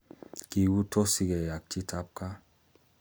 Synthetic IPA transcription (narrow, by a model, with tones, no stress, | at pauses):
ki˨ɡu˦tʰɔ˦si˨ɡɛ˨ja˨k̚t͡ʃi˦tʰa˦p̚ka˦